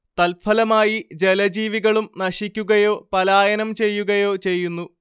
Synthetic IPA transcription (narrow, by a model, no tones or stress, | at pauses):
t̪ɐlfʰɐlɐmaːjid͡ʑe̞lɐd͡ʑiːʋiɣɐɭumnɐɕikʲːuɣɐjo̞ːpɐlaːjɐnɐmt͡ɕe̞jːuɣɐjo̞ːt͡ɕe̞jːunːu